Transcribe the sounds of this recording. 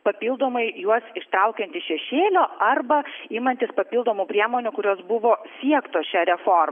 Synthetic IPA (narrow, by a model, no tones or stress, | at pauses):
pɐpʲiːlˠd̪oːmɐɪjuɔsɪʃt̪ɾɐʊkʲɛnʲt̪ʲɪʃʲɛʃʲeːlʲoːɐrbɐimɐnʲt̪ʲɪspɐpʲiːlˠd̪oːmuːpʲɾʲiɛmoːnʲʊkʊɾʲoːsbʊʋoːsʲiɛkt̪oːsʃʲæɾʲɛfoːrm